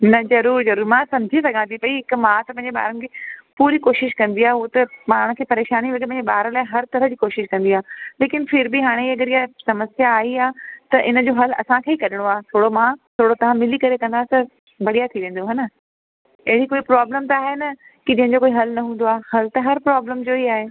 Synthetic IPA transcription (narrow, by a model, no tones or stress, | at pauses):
nɐzɐɾuːɾzɐɾuːɾimãːsɐ̃md͡ʑʱisɐɡʱãt̪ʰipɐiɦɪkmãːt̪ɐpɐ̃ɪ̃ɲd͡ʑeɓa̰ːɾənɪ̆kʰepuːɾikoːʃɪʃkɐ̃nd̪iaːeɦut̪ɐmaːɽɽ̃kʰeːpɐɾeːʃaːniʋɐktpɐ̃ɦd͡ʑeɓaːɾəlaːɪɦɐɾt̪ɐɾəd͡ʑiːkoːʃɪʃkɐ̃n̆d̪iaːleːkɪnfʰɪɾbɪɦaːɽ̃eiɐɡəɾijasɐməsjaːiaːt̪ɐʔɪnə̆d͡ʑoːɦɐlɐ̰sãkʰeːikɐɾɪɽ̃oaːet̪ʰoːɽomãt̪ʰoːɽot̪ɐʋ̤ãmɪlikɐɾekɐ̃nd̪aːɦet̪ɐ | bɐɽ̤ijat̪ʰiʋẽːn̆d̪oɦɐnɐ | ɐɦɪɽikoːipɾaːbləmt̪ɐaːɦenɐ | kid͡ʑɐ̃ɦɪ̃ɲd͡ʑokoːiɦɐlnɐɦũːn̆d̪oaːhɐlt̪ɐɦɐɾpɾaːbləmd͡ʑoːiaːɦeː